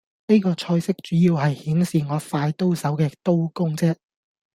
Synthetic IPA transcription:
ne˥jkɔː˧t͡ʃʰɔː˧jsɪ˥k̚t͡ʃyː˨˥jiː˧wɦɐ˨jhiː˨˥nsiː˨ŋɔː˨˧faː˧jt̪o˥wsɐ˨˥wkɛː˧t̪o˥wkʊ˥ŋt͡sɛː˥

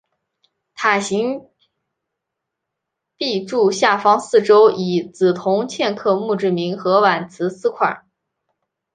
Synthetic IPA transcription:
t̪ʰa˨˩ɕi˧˥ŋ | pi˥˧ʈ͡ʂu˥˧ɕja˥˩fɑ˥ŋsɹ̩˥˩ʈ͡ʂo˥ʊi˨˩t͡sɹ̩˨˩t̪ʰʊ˧˥ŋt͡ɕʰjɛ˥˧nkʰɤ˥˧mu˥˧ʈ͡ʂɻ̩˥˩mi˧˥nxɤ˧˥wa˨˩nt͡sʰɹ̩˧˥sɹ̩˥kʰwa̰˨˩˦

